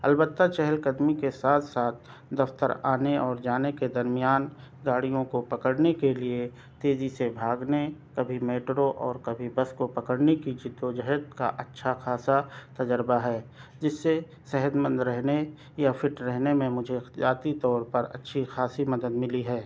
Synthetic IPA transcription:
ɐ̰lbət̪ːat͡ʃɛɦəlkəd̪mikesaːt̪ʰsaːt̪̚ʰ | d̪ɐft̪ə̰ɾaːneɔːɾd͡ʒaːneked̪ɐɾmijaːnɡaːɽijõkopɐkəɽnekelie | t̪eːzisebʱaːɡnekɐbʱimeːʈɾoʔɔːɾkɐbʱibɐskopɐkəɽnekid͡ʒɪd̪ːod͡ʒəɦt̪ka̰ʔɐtːʃʰaxaːsat̪ɐd͡ʒəɾbaɦɛːd͡ʒɪsːe | sɛɦəd̪mə̃nd̪ɾɛɦne | jafɪʈɾɛɦnemẽmʊd͡ʒʱed͡ʒaːt̪it̪ɔːɾpɐɾɐ̰tːʃʰixaːsimɐd̪əd̪mɪliɦɛː

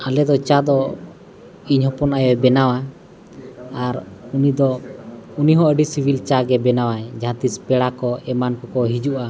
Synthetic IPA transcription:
alɛd̪ɔt͡ʃad̪ɔ | iɲhɔ̃pɔnajɔbɛnawa | aɾunid̪ɔuniɦɔ̃əɖisibʱilt͡ʃaɡɛbɛnawaɛd͡ʒãt̪ispɛɽakɔɛmankɔkɔɦid͡ʒuʔa

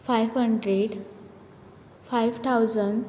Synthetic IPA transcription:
fajʋɦəɳɖɾeɖ | fajʋt̪ʰawd͡zəɳɖ

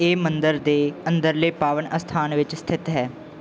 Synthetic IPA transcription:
eːmənd̪əɾd̪eːənd̪əɾleːpaːʋənəst̪ʰaːnʋɪt͡ʃst̪ʰɪt̪ɦɛː

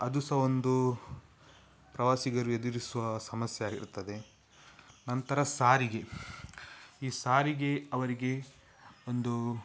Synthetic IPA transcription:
ɐd̪usɐond̪u | pɾɐʋaːsiɡɐɾued̪iɾisuʋɐsɐmɐsjɐjaːɡḭɾt̪ːɐd̪e̞ | nɐnt̪ɐɾɐsaːɾiɡe̞ | iːsaːɾiɡe̞ɐʋɐɾiɡe̞ | ond̪u

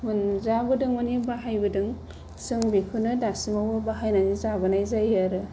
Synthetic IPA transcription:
munzabɯdɯŋonibaɦajbɯdɯŋ | sɯŋbikʰɯnɯdasimawɯbaɦajnanizabɯnajzajaɾɯ

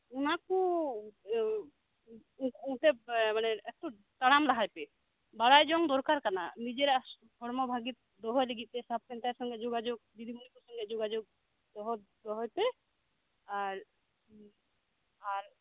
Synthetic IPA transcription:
unaku | ũʈɛmanɛɛt̪u | t̪aɽamlaɦajpɛ | baɽajd͡ʒɔŋd̪ɔɾkaɾkana̰nid͡ʒɛɾ | pʰɔɽmɔbʱaɡit̪̚d̪ɔɦɔjliɡit̪̚ˀt̪ɛsap̚kɛnt̪aɾsɔŋɡɛd͡ʒoɡad͡ʒoɡ̚d̪id̪ʱiɡunikɔsɔ̃ŋɡɛd͡ʒoɡad͡ʒoɡ̚ | d̪̥ɔɦɔt̪d̪ɔɦɔjpɛ | aɾ | aɾ

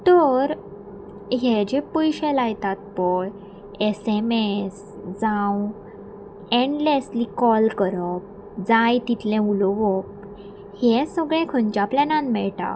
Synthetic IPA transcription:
t̪əɾ | ɦɛd͡ʑepujɕɛlajt̪at̪̚pəɳ | esemes | d͡zãw | eɳɖleslikɔlkəɾəp̚ | d͡zãjt̪it̪lɛ̃ulɔʋɔp̚ | hɛsəɡɭɛ̃kʰənt͡ɕaplɛnãnmɛɭʈa̰

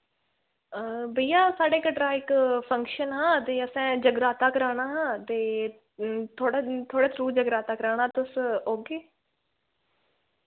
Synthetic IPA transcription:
əbəijaːsaːɽeːkəʈɾaːɪkpʰə̃ŋkʃənɦãːt̪eːəsɛ̃ːd͡ʒəɡɾaːt̪aːkəɾaːɽaːɦãːt̪eː | t̪ʰoːɽat̪ʰoːɽeːt̪ʰɾuːd͡ʒəɡɾaːt̪aːkəɾaːɽ̃aːt̪ʊsoːɡeː

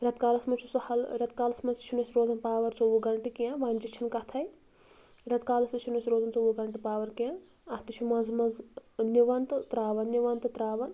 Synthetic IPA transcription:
ɾʲɐt̪kaːlɐsmɐnt͡ʃʰusɐhɐlɾʲɐt̪kaːlɐsmɐst͡ʃʰunɐsʲiɾoːd̪ɐnpaːʋɐɾt͡soʋuɡɐɳʈikijãːʋaːnd͡ʒit͡ʃʰɐnkɐt̪ʰɐj | ɾɐt̪kaːlɐst̪ut͡ʃʰunɐsʲɾoːd̪ɐnt͡soʋuɡɐɳʈipaːʋɐɾkijã | ɐt̪ɨt͡ʃʰumɐzmɐzniʋɐnt̪ɨt̪ɾaːʋɐnːiʋɐnt̪ɨt̪ɾaːʋɐn

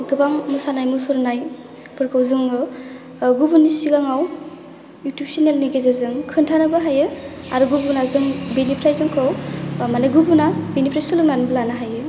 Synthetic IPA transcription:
ɡɯbaŋmusanajmusuɾnaj | pʰɯɾkʰawzɯŋɯ | ɡubunisiɡaŋaw | jutjup̚sinelniɡezazɯŋkʰɯntʰanɯbɯɦajɯaɾuɡubunazɯŋbenipʰɾajzɯŋkʰɔwmaneɡubunabenipʰɾajsɯlɯŋnanbɯlanaɦajɯ

